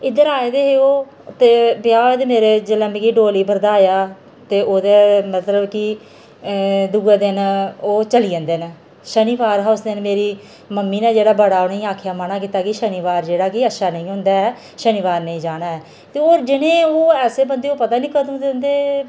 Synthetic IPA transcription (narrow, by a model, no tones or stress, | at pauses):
ɪd̪əɾaːeːd̪eːɦeːoː | t̪eːpjaːeːd̪eːmeːɾeːd͡ʒələ̃mkiːɖoːliːbəɾd̪aːjaː | t̪eːʔoːd̪eːmət̪ləbki | d̪uːeːd̪ɪənoːt͡ʃəliːə̃ːnd̪eːnː | ʃəniːʋaːɾɦaːʊsd̪eənmeːɾiː | məmːiːnɛ̃ːd͡ʒeːɽaːbəɽaːonəĩːaːkʰjaːmənaːkiːt̪aːkiʃəniːʋaːɾd͡ʒeːɽaːkiətːʃʰaːnə̃ĩːɦoʊ̃nd̪aːɛː | ʃəniːʋaːɾnəĩːd͡ʒaːnaːɛː | t̪eːoːɾd͡ʒɪnẽːoːɛːseːbənd̪eːoːpət̪aːnĩːkət̪əd̪nd̪eː